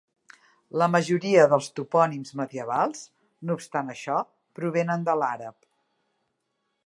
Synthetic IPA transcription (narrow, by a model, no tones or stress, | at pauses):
ləməʒuɾiəðəlˠst̪upɔnimzməðiəβ̞alˠz | nuːpst̪anəʃɔ | pɾuβ̞enənd̪əlaɾəp